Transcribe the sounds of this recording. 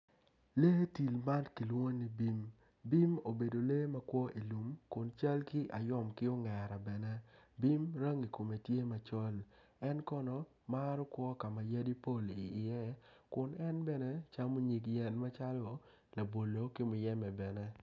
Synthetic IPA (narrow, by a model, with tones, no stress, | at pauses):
le˦ti˨lma˦nki˨lwo˦ni˨˦bi˦m | bi˦mo˨be˨do˨le˦ma˦kwɔ˦ʔi˨lu˨mkʊ˨nt͡ʃa˦lkɪ˦ʔa˨jɔ˦mkɪ˦o˦ŋɛ˨ɾa˨bɛ˨nɛ˦bi˦mɾa˦ŋi˨ko˨me˨tje˦ma˨t͡ʃɔ˦l | ɛ˦nkɔ˦nɔ˨ | ma˦ɾɔ˦kwɔ˦ka˨ma˨ja˦di˦po˦˨li˨ɪ˨ɛ˦kʊ˨nɛ˦nbɛ˦nɛ˦t͡ʃa˦mo˦ɲi˨kjɛ˦nma˦t͡ʃa˦lo˦˨ | la˨bo˨lo˨kɪ˦mʊ˨jɛ˦mɛ˨bɛ˨nɛ˦